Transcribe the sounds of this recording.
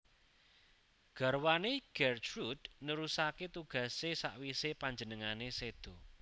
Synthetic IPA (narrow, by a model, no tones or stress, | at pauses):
ɡ̥a̤rwaneɡ̥ɛrt͡ʃɾud̪̥nəɾusaket̪uɡ̥ä̤sesa̰ʔwisepaɲd͡ʒənəŋanesed̪̥ɔ̤